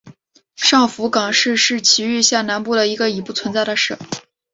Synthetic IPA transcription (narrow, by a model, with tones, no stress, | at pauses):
ʂɑ˥˩ŋfu˧˥kɑ˨˩ŋʂɻ̩˥˧ʂɻ̩˥˩t͡ɕʰi˧˥y˥˧ɕja˥˩na˧˥npu˥˩ɾə˩i˧˥ɡə˧i˧˨˩pu˥˩t͡sʰwə˧˥nt͡sa˥˩d̪ə˩ʂɤ̰˨˩˦